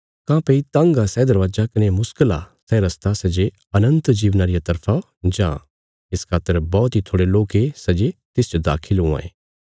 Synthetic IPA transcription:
kãːpeit̪ɐ̃ŋɡasɛːd̪ɐɾʋaːd͡ʒakɐnemʊskəla̰sɛɾɐst̪asɐd͡ʒe | ɐnə̃nt̪d͡ʒiːʋnaːɾɪjat̪ɐɾpʰa | d͡ʒã̰ː | ɪskʰaːt̪ːəɾbɔːt̪it̪ʰoːɽeloːkesɐd͡ʒet̪ɪst͡ʃd̪a̰ːkʰɪlɦũã̰ːḛː

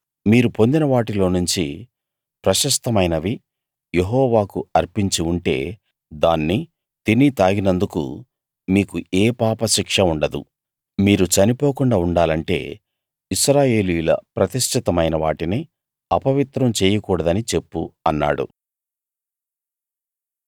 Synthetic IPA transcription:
miːɾupo̞nd̪inɐʋaːʈilo̞ːnuɲt͡ʃi | pɾɐʃɐst̪ɐmɐjnɐʋi | je̞ɦɔːʋaːkuɐɾpiɲt͡ʃiuɳʈe̞̰ː | d̪aːnːi | t̪init̪aːɡinɐnd̪ukṵ | miːkueːpaːpɐʃikʂɐuɳɖɐd̪ṵ | miːɾut͡ʃɐnipo̞ːkuɳɖaːuɳɖaːlɐɳʈe̞̰ː | isɾaːje̞ːlijulɐ̰pɾɐt̪iʃʈʰit̪ɐmɐjnɐʋaːʈini | ɐpɐʋit̪ɾɐmt͡ʃeːjɐkuːɽɐd̪ɐnit͡ʃe̞pːuɐnːa̰ːɽṵ

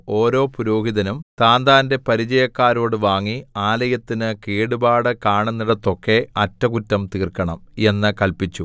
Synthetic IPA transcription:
o̞ːɾo̞ːpuɾoːɦiðɐnumt̪aːnd̪aːnde̞pɐɾid͡ʑɐjɐkːaːɾo̞ːɽɨʋaːŋːiaːlɐjɐt̪ːinɨkeːɽubaːɽɨkaːɳenːɐɽet̪ːo̞kːe̞ɐtːɐkutːɐmt̪iːrkːɐɳɐme̞nːɨkɐlpit͡ɕːu

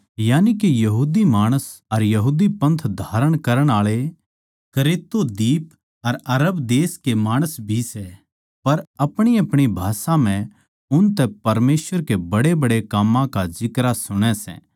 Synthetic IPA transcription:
jaːnikejɐɦuːd̪imaːɽ̃əsɐɾjɐɦuːd̪ipɐ̃nt̪ʰd̪ʱaːɾəɽ̃kɐɾəɽ̃aːɭe | kɐɾeːt̪ːod̪iːp | ɐɾɐɾəbd̪eːskemaːɽ̃əsbʱisɛ | pɐɾɐpɽ̃iɐpɽ̃ibʱaːsãm̤ɛ̃ | ʊnt̪ɛpɐɾmeːsʋəɾkebɐɽebɐɽekaːmːãkazɪkɾasʊɽ̃ɛ̃sɛ̰̃ː

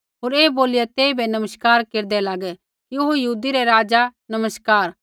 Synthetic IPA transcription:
ɦoːɾeːboːlɪjɛt̪eːibʱɛnɐməskaːɾkeːɾd̪ɛlaːɡɛ | kiʊɦojɐɦuːd̪iɾɛɾaːd͡ʒanɐməskaːɾ

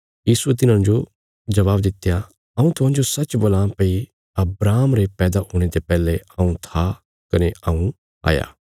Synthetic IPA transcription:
jiːsuet̪ɪnãːd͡ʒo | d͡ʒɐβaːbd̪ɪt̪ːja | ɐũt̪ʊɦãːd͡ʒosɐt͡ʃboːlãːpɐi | ɐbɾaːmɾepɛːd̪aɦoːɽ̃et̪epɛːleɐũt̪ʰa | kɐneʔɐũ | a̰ːja̰ː

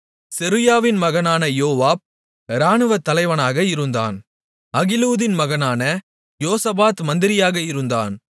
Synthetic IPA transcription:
sɛɾɯjaːʋɪnmɐɣɐnaːnɐjoːʋaːb̚ | ɾaːnɯʋɐt̪ːɐlɐɪʋɐnaːɣɐɪɾɯnd̪a̰ːn | ɐɣɪluːðɪnmɐɣɐnaːnɐ | joːsɐbaːt̪mɐnd̪ɪɾɪjaːɣɐɪɾɯnd̪a̰ːn

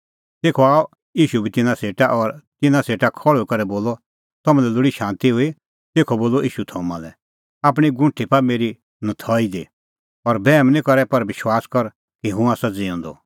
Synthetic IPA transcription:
t̪eːkʰɔaːɔ | iːʃubʱit̪ɪnãseːʈaʔɔɾt̪ɪnãseːʈakʰɔɭokɐɾɛboːlɔ | t̪ɐmãlɛlʊɽiʃãːnt̪iɦʊi | t̪eːkʰɔboːlɔʔiːʃut̪ʰɔːmã̰lɛ̰ | aːpɽ̃iɡʊ̃ʈʰipameːɾi | nɐt̪ʰɔːid̪ḭ | ɔɾbɛːmnĩkɔɾɛpɐɾʋɪʃwaːskɔɾ | kiɦũaːsad͡ziɔ̃nd̪ɔ̰

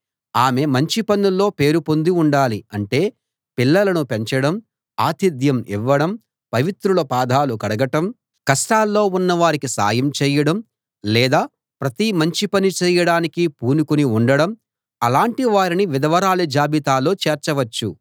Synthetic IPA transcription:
aːme̞mɐɲt͡ʃipɐnːulːo̞ːpe̞ːɾupo̞nd̪uuɳɖaːliɐɳʈe̞ː | pilːɐlɐnupe̞ɲt͡ʃɐɽɐm | aːt̪id̪ʱjɐmḭʋːɐɽɐm | pɐʋit̪ɾulɐpaːd̪ʱaːlukɐɽɐɡɐʈɐm | kɐsʈaːlːo̞ːunːɐʋaːɾikisa̰ːjɐmt͡ʃɛːjɐɽɐm | lɛːd̪aː | pɾɐt̪imɐɲt͡ʃipɐnit͡ʃɛːjɐɽaːnikipuːnukuniuɳɖɐɽɐm | ɐlaːɳʈiʋaːɾiniʋid̪ɐʋɐɾaːlud͡ʒaːbit̪aːlo̞ːt͡ʃeːɾt͡ʃɐʋɐt͡ʃːu

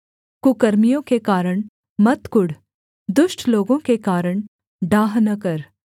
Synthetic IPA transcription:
kʊkəɾmijõkekaːɾəɽ̃ | mɐt̪kʊɽ | d̪ʊʃʈʰloːɡõkekaːɾəɽ̃ | ɖaːɦnɐkəɾ

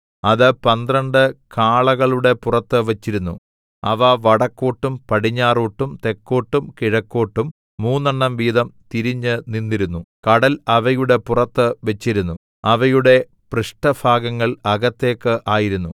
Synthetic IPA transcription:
ɐðɨpɐnd̪rɐɳɖɨkaːɭɐɣɐɭuɽe̞purɐt̪ːɨʋɐt͡ɕːiɾunːu | ɐ̰ʋɐʋɐɽɐkːoːʈːumpɐɽiɲːaːruːʈːumt̪e̞kːo̞ːʈːumkiɻɐkːo̞ːʈːumː | uːnːɐɳːɐmʋiːðɐmt̪iɾiɲːɨninːiɾunːukɐɽɐlɐʋɐjuɽe̞purɐt̪ːɨʋɐt͡ɕːiɾunːu | ɐʋɐjuɽe̞ | prɨʂʈɐfʰaːɡɐŋːɐɭɐɣɐt̪ːe̞ːkːɨʔaːjiɾunːu

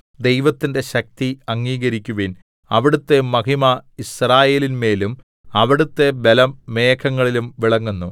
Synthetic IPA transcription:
d̪e̞jʋɐt̪ːinde̞ɕɐk̚t̪iɐŋːiːɣɐɾikʲːuʋin | ɐʋiɽut̪ːe̞mɐɦimɐisraːje̞ːlinme̞ːlum | ɐʋiɽut̪ːe̞be̞lɐmːeːkʰɐŋːɐɭilumʋiɭɐŋːunːu

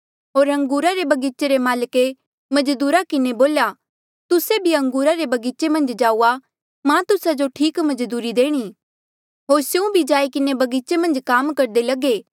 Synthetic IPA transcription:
ɦoːɾɐ̃ŋɡuːɾaɾebɐɡiːt͡ʃeɾemaːlke | mɐd͡ʒd̪uːɾakɪneboːlja | t̪ʊsebʱiɐ̃ŋɡuːɾaɾebɐɡiːt͡ʃemɐ̃nd͡ʒd͡ʒaːua | mãt̪ʊsad͡ʒoʈʰiːkmɐd͡ʒd̪uːɾid̪eːɽ̃iː | ɦoːɾseũbʱid͡ʒaːikɪnebɐɡiːt͡ʃemɐ̃nd͡ʒkaːmkɐɾd̪elɐɡeː

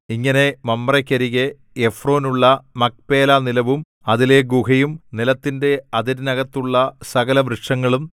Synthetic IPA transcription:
iŋːɐne̞mɐmːɐrɐkʲːɐɾiɣeː | fro̞ːnuɭːɐmɐk̚pe̞ːlaːnilɐʋum | ɐðile̞ɡukɐjumnilɐt̪ːinde̞ɐd̪iɾnɐɣɐt̪ːuɭːɐsɐɣɐlɐʋɾɨʂɐŋːɐɭum

